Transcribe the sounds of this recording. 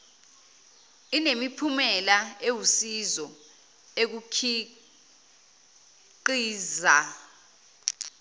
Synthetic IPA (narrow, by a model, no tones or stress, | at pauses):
inemipʰumɛlaewusizɔ | ek̬ukʰi | ǃiːza